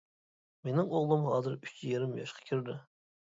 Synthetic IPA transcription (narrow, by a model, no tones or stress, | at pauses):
menɪŋoʁlˠɨmɦɑːzɨɾyt͡ʃjeɾɪmjɑ̰ʃqʰɑ̥kʲʰiɾd̪ɪ